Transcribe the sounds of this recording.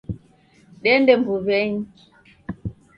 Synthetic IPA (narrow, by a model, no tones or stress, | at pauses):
ɗɛndɛmbuvɛɲ